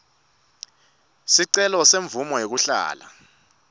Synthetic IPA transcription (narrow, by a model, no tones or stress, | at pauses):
siǀɛlɔseɱb̪vumɔjek̬uɬa̰ːla̰